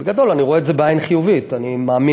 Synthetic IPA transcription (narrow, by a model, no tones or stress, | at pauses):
beɡad̪o̞laniʁoeːzebeajnχijuvit̪animaːmi